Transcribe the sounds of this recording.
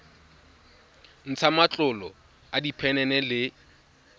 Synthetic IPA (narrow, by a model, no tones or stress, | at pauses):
n̩t͡sʰamat͡ɬʼʊlɔ | adipʰɛnɛnɛlɪ